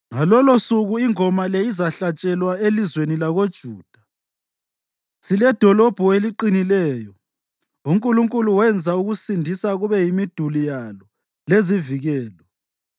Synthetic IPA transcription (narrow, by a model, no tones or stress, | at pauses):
ŋalɔlosuɣuiŋɔmaleizaɬat͡ʃʼɛlwaelizwenilaɣod̥ʒ̥ʱuːd̥ʱa | silɛd̥ʱɔlɔb̥ʱueliǃinilɛːjɔ | uŋkʼuluŋkʼuluwɛnd͡zʱauɣusindʱisaɣuβɛjimid̥ʱulijalɔ | leziviɣɛːlɔ